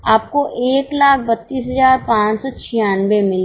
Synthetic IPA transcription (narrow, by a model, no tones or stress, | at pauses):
aːp̚koʔeːklaːk̚ʰbɐt̪ːiːsɦəzaːɾpãːt͡ʃsɔt͡ʃʰijaːnwemɪl